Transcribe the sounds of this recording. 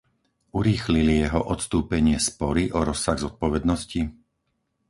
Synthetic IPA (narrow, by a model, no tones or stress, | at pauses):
uɾiːxlilijɛɦɔʔɔt̪st̪uːpɛɲɪɛspɔɾiʔɔɾɔsaɣzɔt̪̚pɔʋɛd̪nɔsci